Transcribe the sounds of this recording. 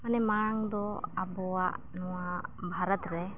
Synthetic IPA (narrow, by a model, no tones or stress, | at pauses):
manɛmaŋd̪ɔabɔaʔ | nɔwabʱaɾat̪ɾɛ